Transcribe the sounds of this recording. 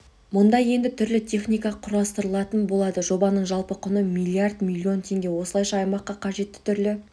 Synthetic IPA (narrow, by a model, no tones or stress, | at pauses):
mʊnd̪ɑje̞nd̪ɪt̪ʰʏɾlɪt̪ʲʰe̞χnijkɑqʰʊɾɑst̪əɾəlˠɑt̪ənbo̞lˠɑd̪əʒo̞bɑnəɴʒɑlˠpəqʰʊnəmijlʲiard̪mʲilʲːio̞nt̪ʰe̞ŋɡʲe̞wo̞səlˠɑjʃɑːjmɑqːɑqʰɑʒe̞t̪ːɪ̥t̪ʰʏɾlɪ